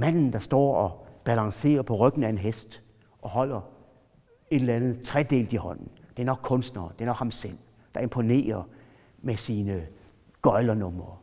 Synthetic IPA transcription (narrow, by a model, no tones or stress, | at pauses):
mæn̰n̩d̥ɑ̈sd̥ɒ̰ːɒb̥ælɑ̈ŋse̝̰ːɐpʰɒ̽ʁœɡ̥n̩æe̝nɦesd̥ | ʔɒ̽hɒ̽l̰ɐ | e̝d̥lænð̩ˠt͡sʰʁɛd̥e̝̰ːld̥ihɒ̽n̰n̩d̥e̝æɐnɒ̽ɡ̥kʰɔ̽nsd̥nɐːd̥e̝ɐnɒ̽ɡ̥hɑ̈msel̰ | d̥ɑ̈e̝mpʰo̝ne̝̰ːɐ | mesiːnə | ɡ̥ɒɪlɐnɔ̽mɐ